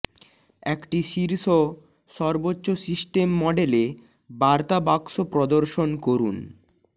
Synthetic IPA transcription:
ɛkʈiʃiɾʃo | ʃɔɾbotːɕosisʈemːɔɖele | baɾt̪abakʃopɾɔd̪oɾʃonkoɾṵn

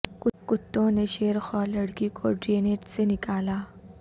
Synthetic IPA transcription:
kʊkʊt̪ːõneʃeːɾxɔːlɐɽkikʰoɖɾeneːʈsenɪkaːlaː

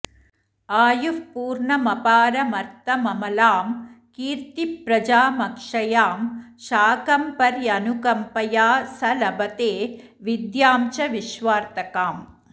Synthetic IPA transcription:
aːjupuːɾɳɐmɐpaːɾɐmɐɾt̪ɐmɐmɐlaːmkiːɾt̪ipɾɐd͡ʒaːmɐkʂɐjaːmʃaːkɐmpɐɾjɐnukɐmpɐjaːsɐlɐbɐt̪eː | ʋid̪jaːmt͡ʃɐʋiʃʋaːɾt̪ɐkaːm

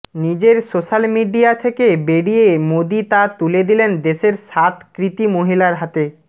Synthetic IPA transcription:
nid͡ʑeɾsoʃalmiɖiat̪ʰekebeɽijemod̪it̪at̪uled̪ilend̪eʃeɾʃat̪kɾit̪imoɦilaɾɦat̪e

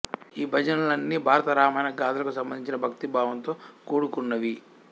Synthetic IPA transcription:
iːbʱɐd͡ʒɐnɐlɐnːibʱaːɾɐt̪ɐɾaːmɐjnɐɡaːd̪ɐlɐkusɐmbɐnd̪iɲt͡ʃinɐbʱɐkt̪ibʱaːʋɐnt̪o̞ːkuːɽukunːɐʋi

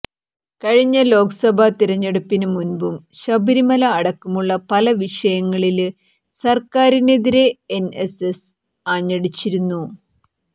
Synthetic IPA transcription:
kɐɻiɲːɐlo̞ːkɐsɐbʱat̪iɾɐɲːɐɽɐpːinɨmunbumɕɐbʱiɾimɐlɐːɽɐkːumuɭːɐpɐlɐʋiʂɐjɐŋːɐɭil | sɐrkaːɾine̞ðiɾe̞eneses | aːɲːɐɽit͡ɕːiɾunːu

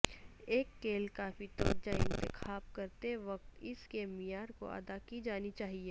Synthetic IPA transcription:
eːkːeːlkaːfit̪ɔːɾd͡ʒaɪ̃nt̪ɪxʰaːb̚kɐɾt̪eʋɐk̚t̪ɪskeːmijaːɾko̰ɐ̰d̪akid͡ʒaːnit͡ʃaːɦieː

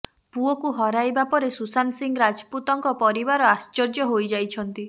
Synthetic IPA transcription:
puɔkuɦɔɾajbapɔɾesusansiŋɡɔɾad͡ʒɔput̪ɔŋkɔpɔɾibaɾɔast͡ʃɔɾd͡ʒɔɦojd͡ʒajt͡ʃʰɔnt̪i

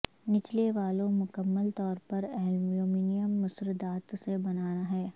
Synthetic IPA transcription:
nɪt͡ʃleʋaːlõmʊkəmːəlt̪ɔːɾpɐɾɛːlmioːmiːnɪjəmːʊsɾɪd̪aːt̪sebɐnaːnaɦɛː

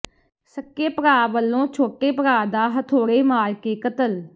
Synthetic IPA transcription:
səkːeːpəɾaːʋəlːõːt͡ʃʰoːʈeːpəɾaːd̪aːɦət̪ʰoːɽeːmaːɾkeːkət̪əl

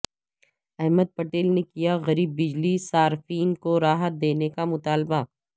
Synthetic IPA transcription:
ɛɦməd̪̚pɐʈeːlnekijaɣɐɾiːbːɪd͡ʒlisaːɾfiːnkoɾaːɦət̪̚d̪eːnekamʊt̪aːlba

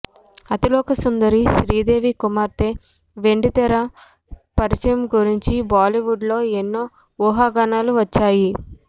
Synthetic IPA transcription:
ɐt̪iloːkɐsund̪ɐɾiʃɾiːd̪e̞ːʋikumaːɾt̪e | ʋe̞ɳɖit̪ɛɾɐ | pɐɾit͡ʃɐjɐmɡuɾiɲt͡ʃibaːliʋuɖlo̞ːenːoː | uːɦaːɡanaːluʋɐt͡ʃːaːji

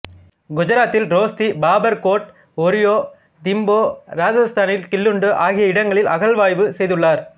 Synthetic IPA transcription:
ɡʊd͡ʒɐɾaːt̪ːɪlɾoːst̪ibaːbɐɾkoːʈ̚ | ɔɾɪjoː | d̪ɪmboːɾaːd͡ʒɐst̪aːnɪlkɪlːɯɳɖɯʔaːɣɪjɐɪɽɐŋɡɐɭɪlʔɐɣɐɭʋaːjʋɯsɛjðɯɭːaːɾ

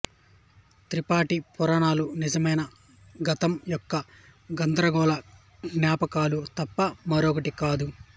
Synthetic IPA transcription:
t̪ɾipaːʈipɔɾaːɳaːlunizɐmɐjnɐ | ɡɐt̪ɐmjɔkːɐ | ɡɐnd̪ɾɐɡɔːlɐ | ɡnjaːpɐkaːlut̪ɐpːɐmɐɾɔkɐʈikaːd̪u

